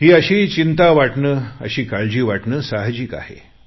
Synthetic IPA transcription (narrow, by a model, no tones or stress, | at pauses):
t̪iːəɕiːt͡ɕint̪aʋaʈɳəːə̰ɕiːkaɭd͡ʑiːʋaʈɳəːsaɦd͡ʑika̰hḛ